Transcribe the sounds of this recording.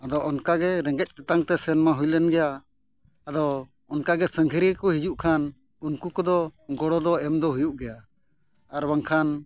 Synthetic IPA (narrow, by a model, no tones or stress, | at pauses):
ad̪ɔʔɔnkaɡɛɾɛŋɡɛc̪̚ˀt̪at̪aŋt̪ɛsɛnmaɦujlɛnɡɛjaː | d̪ɔ | ɔnkaɡɛsəŋɡʱəɾikɔhid͡ʒuʔkʰan | unkukɔd̪ɔɡɔɽɔd̪ɔɛmd̪ɔɦujuʔɡɛja | aɾwaŋkʰan